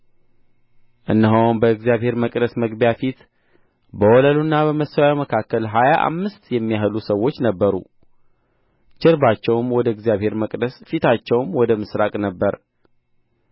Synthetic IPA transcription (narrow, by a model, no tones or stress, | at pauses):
ʔɨnːəɦownbəɨɡzjaβhe̞ɾməkʼd̪əsməɡbjafit̪ | bəwɔləlunːaβəməsawaməkʰakːəlɦajaʔa̰mːɨst̪jɛmːijaɦɨlusəwo̞t͡ʃːnəbːəɾṵ | t͡ʃɪɾbat͡ʃːɛwmwɔd̪əɨɡzjaβhe̞ɾməkʼd̪əsfit̪ʰat͡ʃːɛwmwɔd̪əmɨsɾakʼnəbːəɾ